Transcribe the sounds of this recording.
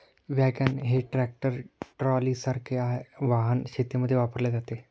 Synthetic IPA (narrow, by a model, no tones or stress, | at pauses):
ʋjaɡənɦeʈɾɛk̚ʈəɾʈɾɔlisəɾkʰeaʋaɦənɕet̪jeməd̪ʱjeʋapəɾled͡zat̪e